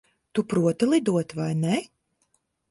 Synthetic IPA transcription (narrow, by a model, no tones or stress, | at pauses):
t̪upɾuɔt̪ɨlˠid̪uɔt̪vajnɛ